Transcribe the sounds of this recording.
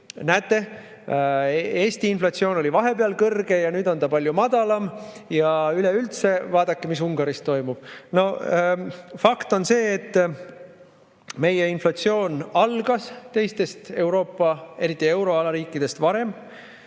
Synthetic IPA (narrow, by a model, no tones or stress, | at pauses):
næːt̪ːˑe̞ | eːst̪iinflɑt̪sio̞ːno̞lʲivɑɦe̞peɑlkɤrɡ̥e̞jɑnyːd̪o̞nt̪ɑpɑlʲjumɑd̪̥ɑlɑmjɑyleylt̪se̞vɑːd̪̥ɑkːemis̬uŋɡ̥ɑɾist̪ːo̞jmub̥no̞ | fɑkt̪o̞nse̞ːt̪ː | me̞jeinflɑt̪sio̞ːnɑlɡ̥ɑst̪e̞jst̪e̞st̪e̞wɾo̞ːpːɑe̞ɾit̪ːˑie̞wɾo̞ɑlɑɾiːkːˑid̪̥e̞st̪vɑɾe̞m